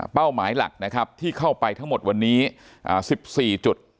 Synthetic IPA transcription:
pa˥˩wmaː˩˦jla̰˨˩k̚na˦˥kʰa˦˥p̚t̪ʰiː˥˩kʰa˥˩wpa˧jt̪ʰa˦˥ŋmo˨˩t̪̚wa˧nːiː˦˥ | ʔa̰ː˨˩si˨˩p̚siː˨˩t͡ɕu˨˩t̪̚

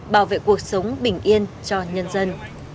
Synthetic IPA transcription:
ɓaː˧˩wvḛ˧˨ku˨˩ək̚sə˨˦wŋ͡mɓï˧˩ŋ̟ʔi˧ənt͡ɕɔ˧ɲə˧nzə˧n

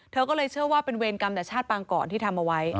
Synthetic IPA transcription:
t̪ʰɤː˧kɔː˥˩lɤː˧jt͡ɕʰɯ˥˩ɐwaː˥˩pe˧nweː˧nka˧mnɛ˨˩t͡ɕʰaː˥˩t̪̚paː˧ŋkɔ̰ː˨˩nt̪iː˥˩t̪ʰa˧mʔa˧wa˦˥j

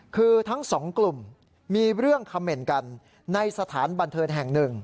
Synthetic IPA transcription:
kʰɯː˧t̪ʰa˦˥ŋsɔː˩˦ŋklu˨˩mː | iː˧ɾɯ˥˩əŋkʰa˧mːe˧˩nka˧nː | a˧jsa˧t̪ʰaː˩˦nba˧nt̪ʰɤː˧nɦɛ˨˩ŋnɯ˨˩ŋ

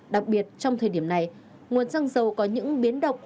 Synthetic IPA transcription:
ɗa˨˩k̚ɓi˨˩ət̚t͡ɕɔ˧wŋ͡mt̪ʰəː˨˩jɗi˧˩əmna˨˩j | ŋu˨˩ənzaː˧ŋzə˨˩wkɔ˨˦ɲɨ̰˧˥ŋɓi˨˦nɗə˨˩wk͡p̚

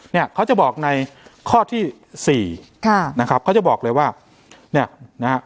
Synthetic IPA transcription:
ni˥˩ɐkʰa˦˥wt͡ɕa˨˩bɔː˨˩k̚na˧jkʰɔː˥˩t̪ʰiː˥˩ | siː˨˩kʰa˥˩na˦˥kʰa˦˥p̚kʰa˦˥t͡ɕa˨˩bɔː˨˩k̚lɤː˧jwaː˥˩ | ni˥˩ɐna˦ɦa˦˥

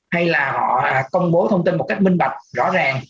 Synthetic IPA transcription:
ha˧jlaː˨˩hɔ̰˧˨˩kə˧wŋ͡mɓo˨˦t̪ʰə˧wŋ͡mt̪i˧nmo˨˩t̚ka˦˥k̚mï˧ŋ̟ɓa˨˩k̚zɔ̰˧˥zaː˨˩ŋ

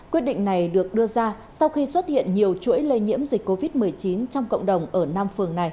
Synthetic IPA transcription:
kwi˦˥ət̚ɗḭ˧˨ŋ̟na˨˩jɗɨ˨˩ək̚ɗɨ˧əzaː˧ | sa˧wxi˧swə˦˥t̚hḭ˧˨ənɲi˨˩əwt͡ɕṵ˧˥əjle˧ɲḭ˧˥əmzi˨˩k̟̚ʲkːo˧vi˦˥t̚mɨ˨˩əjt͡ɕi˨˦nt͡ɕɔ˧wŋ͡mkə̰˧˨wŋ͡mɗə˨˩wŋ͡mʔəː˧˩naː˧mfɨ˨˩əŋna˨˩j

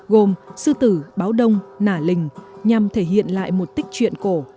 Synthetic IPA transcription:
ɣo˨˩msɨ˧t̪ɨ˧˩ɓaː˨˦wɗə˧wŋ͡mnaː˧˩lï˨˩ŋ̟ɲa˨˩mt̪ʰe˧˩ɦḭ˧˨ənla̰ː˧˨jmo˨˩t̚t̪ï˦˥k̟̚t͡ɕwḭ˧˨ənko˧˩

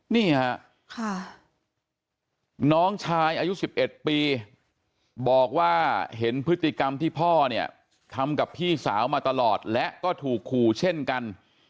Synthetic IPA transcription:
niː˥˩ha˦˥ʔ | kʰa˥˩ | nɔː˦˥ŋt͡ɕʰaː˧jʔaː˧ju˦˥si˨˩p̚ʔe˨˩t̪̚piː˧ | bɔː˨˩k̚waː˥˩ɦe˩˦npʰɯ˦˥t̪ːi˨ka˧mt̪ʰiː˥˩pʰɔː˥˩ni˥˩ɐ | t̪ʰa˧mka˨˩pʰiː˥˩sa̰ː˩˦wmaː˧t̪a˧lɔː˨˩t̪̚lɛ˦˥ʔkɔː˥˩t̪ʰuː˨˩kʰːuː˨˩t͡ɕʰe˥˩nka˧n

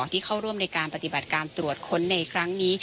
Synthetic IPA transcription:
t̪ʰiː˥˩kʰa˥˩wɾu˥˩əmna˧jkaː˧npa˧t̪i˨˩ba˨˩t̪̚kaː˧nt̪ɾu˨˩ət̪̚kʰo˧nːa˧jkʰɾa˦˥ŋniː˦˥

